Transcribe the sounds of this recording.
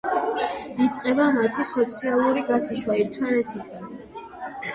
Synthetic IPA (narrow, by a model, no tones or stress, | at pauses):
it̪sʼqʼɛbamat̪ʰisɔt̪sʰialˠuɾiɡat̪ʰuʃwaiɾt̪ʰmanɛt̪ʰisɡan